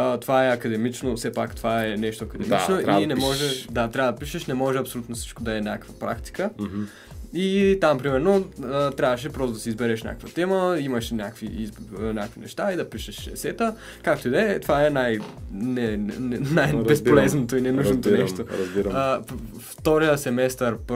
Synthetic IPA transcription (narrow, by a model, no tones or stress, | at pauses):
ət̪ovaɛɐkɐd̪ɛmit͡ʃnofsɛpakt̪ovaɛnɛʃt̪oɐkɐd̪ɛmit͡ʃnoinɛmɔʒɛd̪at̪ɾʲabəd̪ɐpiʃɛʃnɛmɔʒɛɐpsolut̪nofsi̥t͡ʃkod̪ɐɛnʲakvɐpɾa̰kt̪i̥kə | it̪ampɾimɛɾnoət̪ɾʲjavəʃ̬ɛpɾɔst̪od̪ɐsizbɛɾɛʃnʲa̰kəkvət̪ɛməimɐʃnʲjakviiznʲakvinɛ̰ʃt̪aid̪ɐpiʃɛʃɛ̰sɛt̪ə | kakt̪oid̪ɛt̪ovaɛnajnɛɛnajbɛsolɛznot̪oinɛnuʒnot̪onɛʃoɾɐziɾ | ft̪ɔɾijəsɛmɛst̪əɾp